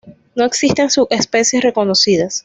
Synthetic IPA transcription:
no̞e̞ksist̪ensue̞spe̞sje̞sre̞ko̞nosiðas

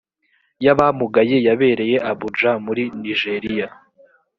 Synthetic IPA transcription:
jaβamuɡaje̞jaβe̞ːɾe̞je̞ʔaβud͡ʒamuɾiniʒe̞ɾija

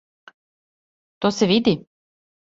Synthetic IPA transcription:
t̪osɛʋid̪i

